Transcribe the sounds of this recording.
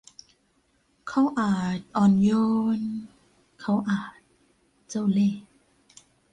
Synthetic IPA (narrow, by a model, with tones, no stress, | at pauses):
kʰa˧˥˩wʔaː˨˩t̪̚ʔɔː˨˧˩njoː˧n | kʰa˧˥˩wʔaː˨˩t̪̚ | t͡ɕa˥˩˨wleː˧˥˩